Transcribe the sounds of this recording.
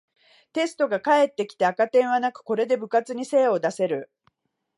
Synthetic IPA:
t̪e̞sɨ̥t̪o̞ɡakae̞t̪ːe̞kʲi̥t̪e̞akat̪ẽ̞ɰ̃β̞anakɯ̟̥ko̞ɾe̞d̪e̞bɯ̟kat͡sɨɲ̟ise̞ːo̞d̪ase̞ɾɯ̟

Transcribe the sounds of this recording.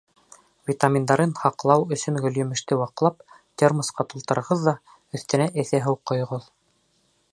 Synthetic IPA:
vʲit̪amʲind̪ɑɾɤnhɑqlˠɑwɵ̆sɵnɡɵ̆ljɵ̆mɘ̆ʃt̪ɘwɑqlˠɑp̚ | t̪ʲermɤ̆sqɑt̪ulˠt̪ɤ̆ɾɤ̆ɾʁɤðːɑ | ɵ̆θt̪ɘ̆næʔɘ̆θæɦɤwqːŏjʁoðˠ

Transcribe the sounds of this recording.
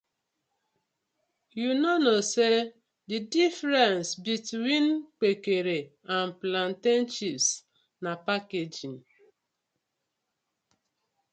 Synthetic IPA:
junonose | didifɾɛnsbitwink͡pekeɾe | anplan̩ten̩t͡ʃips | napaked͡ʒin

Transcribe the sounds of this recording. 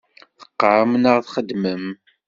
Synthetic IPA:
θə̥qːɾəmnəʁθχəd̪məm

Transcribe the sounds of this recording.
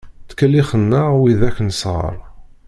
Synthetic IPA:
t͡sːkəlːiχənːæwiðækːənəsʁə̰ɾˤ

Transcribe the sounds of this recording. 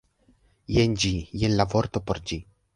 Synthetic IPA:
jend͡ʒijenlavoɾt̪opoɾd͡ʒi

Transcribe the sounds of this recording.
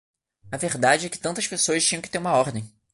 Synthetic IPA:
ɐveɾd̪ad͡ʒɪɛkɪ̥t̪ɐ̃nt̪ɐʃpesoɐʃt͡ʃĩɲɐ̃kɪ̥t̪eɾũmɐɔɾd̪ẽj̃

